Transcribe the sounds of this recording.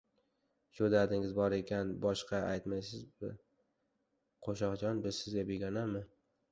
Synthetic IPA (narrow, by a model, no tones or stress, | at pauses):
ʃod̪ad̪ɪŋɪzbɒɾe̞kʲʰanbɒʃqʰɑajt̪majsɪzbɪ̰ | qʰoʃɒqd͡ʒɒnbɪzsɪzɡʲabeɡʲanamːɪ